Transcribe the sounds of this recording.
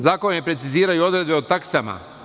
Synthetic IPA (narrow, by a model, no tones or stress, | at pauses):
zaːkonepɾetsiziːɾajuo̞d̪ɾe̞d̪be̞ot̪aksama̰